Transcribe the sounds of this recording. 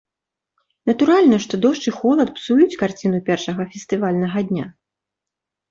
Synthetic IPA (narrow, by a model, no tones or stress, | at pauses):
nɐt̪uɾalʲnɐʂt̪ɔd̪ɔʂt͡ʂɨxɔlˠɐt̪̚psujut͡sʲkart͡sʲinupʲɛrʂɐɣɐfʲɛst̪ɨvalʲnɐɣɐd̪ʲnʲa